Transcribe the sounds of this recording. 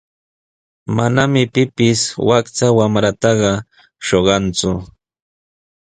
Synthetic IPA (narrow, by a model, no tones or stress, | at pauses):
manamɪpɪpɪswakt͡sawamɾat̪ɑɢɑ | ʃoɢɑnt͡sʊ